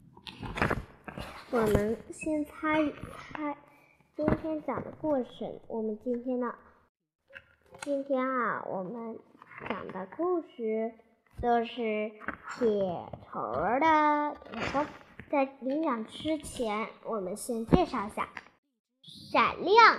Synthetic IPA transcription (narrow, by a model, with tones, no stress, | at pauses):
wɔ˨˩mə˦nɕjɛ˥nt͡sʰa˥ny˨˩t͡sʰa˥ɪ | t͡ɕi˥nt̪ʰjɛ˥nt͡ɕjɑ˨˩ŋd̪ə̰˦kwɔ˥˩ʈ͡ʂʰə̰˧˥ŋwʔɔ˨˩mə˦nt͡ɕi˥nt̪ʰjɛ˥nd̪ə˨ | t͡ɕi˥nt̪ʰjɛ˥na̰˧wʔɔ̰˨˩mə˦nt͡ɕjɑ̰˨˩ŋd̪ə˦ku˥˩˧ɕy˥˩ | t̪o˥ʊʂɻ̩˥˩t̪ʰjɛ˨˩t̪ʰo̰˧˥ʊ˧d̪ə˨p̪ʰkʊ˥ŋt͡sa˥˩ɪli˧˥ŋjɑ˨˩ŋʈ͡ʂɻ̩˥t͡ɕʰjɛ˧˥nwɔ˨˩mə˦nɕjɛ˥nt͡ɕjɛ˥˧ʂɑ˥˩ʊɪ˧˩ɕja̰˥˩ | ʂa˨˩nljɑ˥˩ŋ